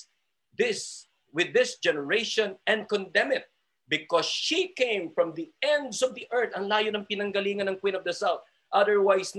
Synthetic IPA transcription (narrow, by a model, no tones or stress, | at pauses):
ðɪs | wɪðɪsd͡ʒɛnɛɹeɪʃɔ̃nɛ̃nd̪̚kɔ̃nd̪ɛmɪt̪̚ | bɪkɔsʃikẽɪ̃mfɹɔ̃mðiɛ̃nd̪sɔvd̪iʔɛ˞t̪ɐŋlaːjonɐŋpɪnɐŋɡɐliːŋɐnɐŋkwĩnɔvd̪ɐsawθ | ʔɐðəɹwajsn